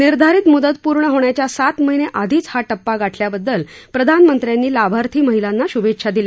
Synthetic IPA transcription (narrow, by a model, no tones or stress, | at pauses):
niɾd̪ʱaɾiːt̪mud̪ət̪puɾɳəɦoɳjat͡ɕjasat̪məɦineʔad̪ʱiːt͡shaʈəpːaɡaʈʰljabəd̪ːəlpɾəd̪ʱanmənt̪ɾjanːiːlabʱaɾt̪ʰiːməɦilanːaɕubetʂʰad̪ilja